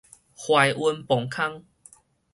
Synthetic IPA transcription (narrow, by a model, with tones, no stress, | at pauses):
hwa˧jʔwu˧npɔ˨˩ŋkʰa˦ŋ